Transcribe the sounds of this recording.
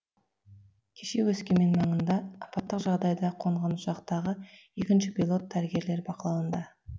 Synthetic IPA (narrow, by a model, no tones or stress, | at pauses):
kʲʰe̞ʃe̞wɵskʲe̞me̞nmɑɴənd̪ɑːpɑt̪ːəqʒɑʁd̪ɑjd̪ɑqʰoɴʁɑnʊsɑqt̪ɑʁəe̞kʲɪnʃɪpʲilˠo̞t̪̚ʰːæɾɪɡʲe̞ɾle̞ɾbɑqəlˠɑwənd̪ɑ